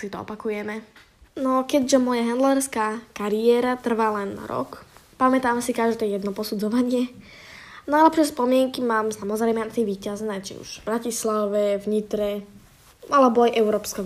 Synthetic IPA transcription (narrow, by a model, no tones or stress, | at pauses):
sit̪ɔɔ̰pakujɛmɛ | nɔkɛɟʒɛmɔjaɦɛnd̪lɛɾskaːkaɾiɛːɾat̪r̩ʋaːlɛnːa̰ɾɔ̰kpamɛt̪aːmsikaʒd̪ɛːjɛd̪nɔpɔsud͡zɔʋaɲɪɛ | naalɛpʃɛspɔmɪɛŋkimaːmsamɔzɾɛmɛnt͡sɛʋiːcaznɛːt͡ʃḭṵʒ̥bɾacislaʋɛvɲit̪ɾɛ | alɛbɔajʔɛʊɾɔːpskɛ